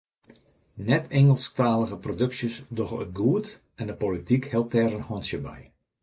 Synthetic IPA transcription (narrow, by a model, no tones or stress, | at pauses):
nɛtʰɛŋəlˠstaːləɣəprodɵksjəsdɔxə̰t̚ɡuət | ɛndəpolitikhɛlˠp̚tɛɾənhɔnsjəbɛ̰j